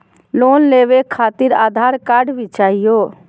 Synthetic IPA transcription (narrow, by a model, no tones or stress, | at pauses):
lonleʋekʰat̪iɾaːd̪ʱaɾkaɖbit͡ʃaɦijo